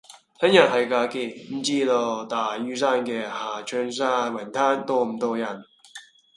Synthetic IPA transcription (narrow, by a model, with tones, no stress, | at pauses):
t̪ʰɐ˥njɐ˨˩t̚hɐ˨˩jkaː˧ki˧m̩˨˩t͡siː˥lɔː˧t̪aː˨˩jyː˥saː˥nkɛː˧haː˨˩t͡ʃʰœː˧˥ŋs̬aː˥wɐ˨˩nt̪ʰaː˥nt̪oː˧m̩˨˩t̪ɔː˧jɐ˨˩n